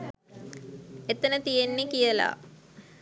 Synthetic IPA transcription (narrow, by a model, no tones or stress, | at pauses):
et̪ənət̪ijenːikijəla̰ː